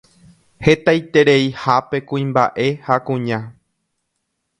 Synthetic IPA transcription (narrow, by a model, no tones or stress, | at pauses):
he̞t̪ajt̪e̞ɾe̞ihape̞kũĩmba̰ʔe̞hakũɲã